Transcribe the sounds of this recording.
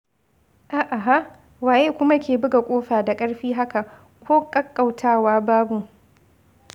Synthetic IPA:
ʔaː˨ʔa˨ɦa˦ʔ | waː˨ʔeː˦kʷʊ˦ma˦kʲeː˨bɪ˦ɡa˨kʷʼoː˦ɸaː˨da˨kʼɐ˦ɽɸiː˦ɦa˦ka˨ | kʷoː˦kʼɐ˦kʼːa˨wtʰaː˦waː˦baː˦bu˨

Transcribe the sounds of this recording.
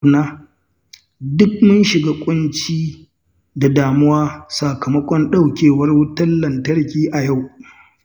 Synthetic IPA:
naː˦ | dʊ˦k̚mʊ˦nʃɪ˨ɡaː˦kʷʼʊ˦nt͡ʃiː˦ | da˨daː˨mʊ˦waː˦sa˨kɐ˨mɐ˦kʷʼɔ˦nɗa˦wkʲeː˨wɐ˦rwʊ˦tɐ˦lːɐ˨ntɐ˦rkʲiː˦ʔa˨ja˦˨w

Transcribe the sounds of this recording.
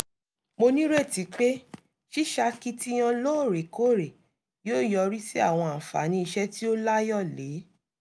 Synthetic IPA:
mo˧nĩ˦ɾe˦˨ti˨˦k͡pe˦ | ʃi˦ʃa˧ki˦ti˦j̃ã˧lo˦˨ɾe˨kʰo˦˨ɾe˨ | joː˦˨jɔ˧ɾi˦si˦a̰˦˨w̃ɔ̃˧ã˨fa̰˨˦nĩ˧i˧ʃɛ˦ti˦o˦la˦jɔ˦˨le˨˦

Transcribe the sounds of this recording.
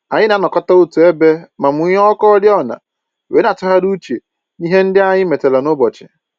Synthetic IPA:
a˨ɲɪ˦na˨˦nɔ˨kɔ˦ta˦u˦tu˨e˦be˦ma˨m̩˨u˦ɲ˦ɔ˦kɔ˦dɪ˦ɔ˦na̰˨ | we˨˦na˨tʊ˦ɦa˦du˦t͡ʃḛ˨ | i˦ɦe˦n̩˦dɪ˦a˦ɲɪ˦me˨te˨la˨nʊ˦bɔ˨t͡ʃɪ̥̰˨

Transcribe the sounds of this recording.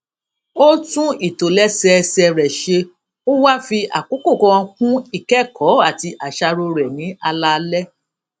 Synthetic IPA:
o˦tũ˦i˦˨to˨lɛ˦sɛ˧sɛ˧ɾɛ˨ʃe˧ | o˦wa˦fi˧ʔa̰˨ko˨˦ko˦˨kɔ̃˧kũ˦i˦˨kɛ˦˨kʰɔ˨˦a˦˨ti˧ʔa˨ʃa˧ɾo˧ɾɛ˨nĩ˨˦ʔa˧la˦˧lɛ˦

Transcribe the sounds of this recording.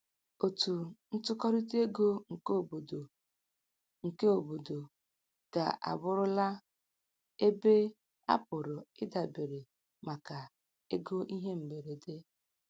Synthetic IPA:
o˨tu˨n̩˦tʊ˦kɔ˦ɾi˦te˦ɡo˦ŋ̩˨ko˦˨bo˨do˨ | ŋ̩˨ke˦o˨bo˨do˨ | ka̰˨ʔa̰˨bʊ˦ɾʊ˦la˦ | e˦be˦ | a̰˦pʊ˨ɾʊ˨ɪ˦da˨be˨ɾe˨ | ma˨ka˨ | e˦ɡo˦ʔi˦ɦe˦m̩˨be˨ɾe˨de˦

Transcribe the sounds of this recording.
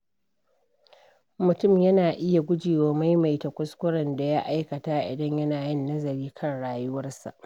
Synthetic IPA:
mʊ˨tʊ˦˨mjɐ˦naː˨ʔɪ˦ja˨ɡʷʊ˦d͡ʒiː˨woː˦ma˦jma˨jtɐ˨kʷʊ˦skʷʊ˦ɽɐ˨nda˨ja˦ʔa˦jkɐ˨ta˦ʔɪ̰˨dɐ˦ɲjɐ˦naː˨jɪ˦˨nːɐ˦zɐ˨ɾiː˦kʰɐ˦˨nɽaː˨jʊ˦wɐ˦rsa̰˨ʔ

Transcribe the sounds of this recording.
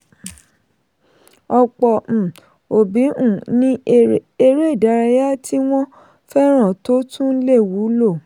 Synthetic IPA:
ɔ˧k͡pɔ˧˨ | o˨bi˨˦ũ˨nĩ˦e˧ɾe˦i˦˨da˨˧ɾa˧ja˦ti˦w̃ɔ̃˦ | fɛ˦ɾ̃ã˦˨to˨˦tũ˦le˦˨wu˨˦lo˦˨

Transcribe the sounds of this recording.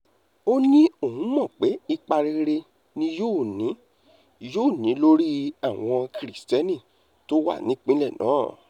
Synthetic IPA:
o˦nĩ˦o˦˨hũ˨˦mɔ̃˦˨k͡pe˨˦i˧k͡pa˧ɾi˧ɾe˧ | nĩ˦joː˦˨nĩ˨˦ | joː˦˨nĩ˨˦lo˦ɾi˦a˦˨w̃ɔ̃˧kɾi˨stɛ˦nĩ˦˨ | to˦wa̰˦˨nĩ˨˦k͡pĩ˦lɛ˦˨nã̰ː˨˦˨

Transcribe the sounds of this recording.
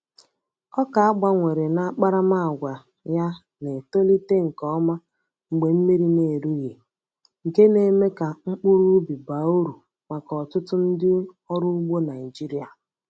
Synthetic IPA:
ɔ˦ka˨a˦ɡ͡ba˨ŋʷe˨ɾe˨na˦k͡pa˦ɾa˦ma˦˨ɡʷa˨ | ja˦ | ne˨to˦li˦te˦ŋ̩˨kɔ˦ma˦ | ŋ͡m̩˨ɡ͡be˨m̩˦mi˦ɾi˦ne˨ɾu˦ɣe˨ | ŋ̩˨ke˦ne˨˦me˦ka˨ŋ͡m̩˦k͡pʊ˦ɾu˦bi˨ba˨u˦ɾu˨ | ma˨kɔ˨tʊ˦tʊ˦n̩˦dɪ˦ | ɔ˦ɾʊ˦ʊ˦ɡ͡bo˦na˨i˨d͡ʒi˦ɾi˦a̰˨

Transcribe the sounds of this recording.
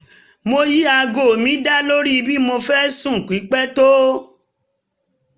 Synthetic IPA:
mo˧ji˦a˧ɡo˨mĩ˨˦da˦lo˦ɾi˦˧bi˦mo˧fɛ˦sũ˦˨kʷi˨˦k͡pɛ˦to˦

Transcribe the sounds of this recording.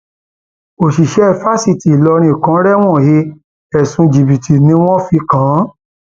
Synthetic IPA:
o˨ʃi˨ʃɛ˨˦ɛ˦˨fa˦si˦˨ti˨lɔ˧ɾ̃ĩ˧˨kã˨˦ɾɛ˦w̃ɔ̃˦˨je˧˦ | ɛ˨sũ˧d͡ʒi˨bi˨tʰi˨nĩ˧˦w̃ɔ̃˦fi˧˦kã˨˦

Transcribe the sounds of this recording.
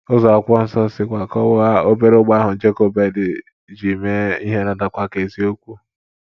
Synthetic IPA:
ʊ˦zɔ˨a˨kʷɔ˦n̩˦sɔ˦sɪ˦kʷa˨kɔ˦a˦o˦be˦ɾo˦ɡ͡ba˦ɦʊ˨d͡ʒe˦ko˦be˨dɪ˨ | d͡ʒi˨me˦i˦ɦe˦na˨da˨kʷa˦˨ke˨zi˦o˦kʷu˦

